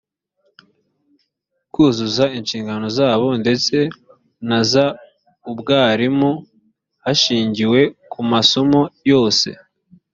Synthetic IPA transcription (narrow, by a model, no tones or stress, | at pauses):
kuːzuzainʃiːŋɡano̞zaːβo̞nde̞t͡se̞ | naza | ubɡaːɾimu | haʃiːɲɟiwe̞kʰumaso̞mo̞jo̞ːse̞̰